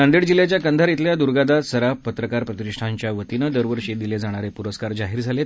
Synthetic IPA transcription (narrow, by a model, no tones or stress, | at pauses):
and̪iɽd͡ʑiljat͡ɕjakənd̪ʱaɾit̪ljad̪uɾɡad̪asəɾapət̪ɾəkaɾpɾət̪ɾikʂʈʰaɲt͡ɕjaʋət̪inəd̪əɾʋəɾɕed̪iled͡zaɽ̃aɾepuɾəskaɾd͡zaɦiːɾd͡zʱale